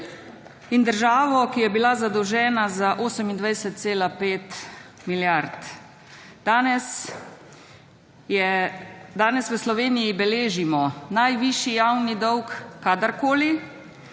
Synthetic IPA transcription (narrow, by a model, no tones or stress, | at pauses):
ind̪əɾʒaːʋɔkijɛbilazad̪ɔwʒɛːnazaʔoːsəmind̪ʋajsət̪̚t̪seːlapeːt̪ | miljaɾt̪ | anɛs | ɛd̪aːnɛsʋəslɔʋeːnijibɛleːʒimɔnajʋiʃijawnid̪ɔwkːad̪əɾkoːli